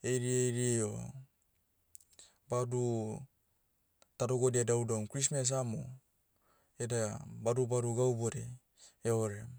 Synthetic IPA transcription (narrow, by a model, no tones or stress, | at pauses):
ejɾiejɾieo | badu | tadoɡodiedawdamkɾis̬mes̬amo̰ | edabadubaɾuɡawboɾe | eoɾe